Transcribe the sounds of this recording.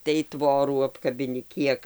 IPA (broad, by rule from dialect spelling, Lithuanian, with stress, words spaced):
tɐɪ ˈtʋoːruː ɐpkɐbʲɪˈnʲɪ ˈkʲiɛk